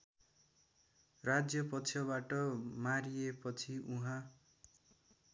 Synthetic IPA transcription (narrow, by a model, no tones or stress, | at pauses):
rad͡zjʌpʌt̪t͡sʰjʌβaʈʌmaɾijepʌt͡sʰiuɦã